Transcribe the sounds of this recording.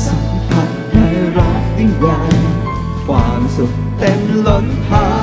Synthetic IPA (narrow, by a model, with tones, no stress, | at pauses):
sa˨˦mpʰa˨˧˩t̚tʰiː˧˩ɾaː˥˩k̚t̪i˧˥˩waː˧n | fwaː˨˩ŋsu˨˩t̚t̪e˧mlo˧˥n̚pʰaː˧